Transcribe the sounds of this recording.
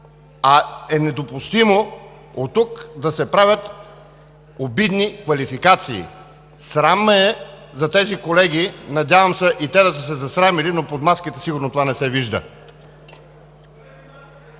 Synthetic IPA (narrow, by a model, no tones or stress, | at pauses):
ɐɛnɛd̪opʊst̪imo | ot̪ːukd̪ɐsɛpɾavʲət̪ | obid̪nikvɐlifikat̪sḭː | sɾaməɛ | zɐt̪ɛzikolɛɡʲinɐd̪ʲavɐmsɛʔit̪ɛd̪ɐsəsɛzɐsɾamilinopot̪maskit̪ɛsiɡʊɾnot̪ovanɛsɛviʒd̪ə̰